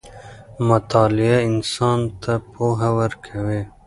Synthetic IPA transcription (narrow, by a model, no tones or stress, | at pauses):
mɐt̪ɑːlijaɪnsɑːnt̪apoːɦɐwɐɾkʰɐweː